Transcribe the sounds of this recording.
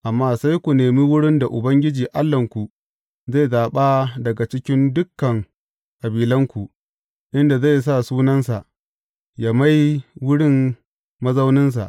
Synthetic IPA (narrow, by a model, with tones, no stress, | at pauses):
ʔa˨mːaː˦sa˦jkʷu˨neː˨mi˦wʊ˦ɽɪ˦nda˨ʔʊ˨bɐ˦ŋɡʲɪ˦d͡ʒiː˨ʔa˦lːɐ˨ŋkʷu˨ | za˦˨jzaː˨ɓa˦dɐ˨ɡa˨t͡ʃɪ˦kʲɪ˦ndʊ˦kːɐ˨ŋ | kʼa˨biː˨lɐ˦ŋkʷu˨ʔ | ʔɪ˦nda˨za˦˨js̬a˦˨suː˦nɐ˦nsa˨ʔ | jaː˦ma˦jwʊ˦ɽɪ˦m | mɐ˦zɐ˦wnɪ˦ns̬a̰˨ʔ